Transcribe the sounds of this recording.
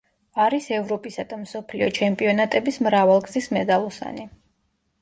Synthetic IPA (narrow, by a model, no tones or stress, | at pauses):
aɾisɛvɾɔpʼisad̪amsɔpʰliɔt͡ʃʰɛmpʼiɔnat̪ʼɛbismɾavalˠɡzismɛd̪alˠɔsa̰ni